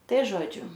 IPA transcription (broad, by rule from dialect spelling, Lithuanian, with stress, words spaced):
ˈtɐɪ ˈʒoːd͡ʒʲʊ